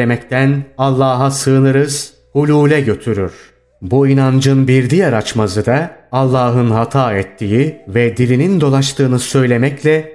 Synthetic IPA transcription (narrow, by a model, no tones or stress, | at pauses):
emɛct̪ʰænalˠːaːɦasɯːnɯɾɯz̥ | hulʲuːlʲɛɟø̞t̪ʰyɾyɾ̥ | buinand͡ʒɯnbiɾd̪ijaɾat͡ʃmazɯd̪aalˠːaːɦɯnɦat̪ʰaːɛt̪ʰːijivɛd̪ilʲinind̪o̞lˠaʃt̪ʰɯːnɯsø̞jlʲe̞mɛclʲɛ